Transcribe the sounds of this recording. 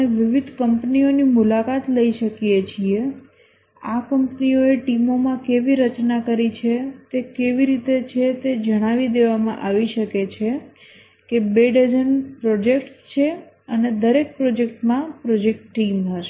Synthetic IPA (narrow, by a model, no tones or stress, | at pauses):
əneʋiʋid̪ʱkəmpnionimulakat̪ləiʃəkijet͡ʃʰie | akəmpnioeʈimomãkeʋiɾət͡ʃnakəɾit͡ʃʰet̪ekeʋiɾit̪et͡ʃʰet̪ed͡ʒəɽ̃aʋid̪eʋamã̰ʔaʋiʃəket͡ʃʰe | kebeɖəd͡ʒənpɾod͡ʒek̚ʈt͡ʃʰe | əned̪əɾek̚pɾod͡ʒek̚ʈmãpɾod͡ʒek̚ʈːimɦəɾʃe